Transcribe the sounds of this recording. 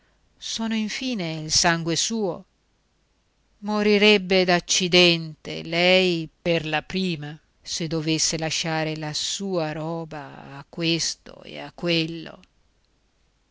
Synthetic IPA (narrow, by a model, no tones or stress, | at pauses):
soːnoiɱfiːneilsaŋɡwesuːo | moɾiɾɛbːed̪at͡ʃːid̪ɛnt̪ḛlɛjperlapɾiːma | sed̪ovesːelaʃːaːɾelasuːaɾɔːbaːkːwest̪o̰ḛakːwelːo̰